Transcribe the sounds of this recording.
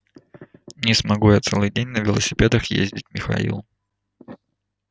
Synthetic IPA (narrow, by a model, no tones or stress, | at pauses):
nʲɪsmɐɡujat̪sɛlˠɨjdʲenʲnəvʲɪlˠəsʲɪpʲed̪əxjḛzʲdʲɪt̚ʲmʲɪxɐ̰ḭlˠ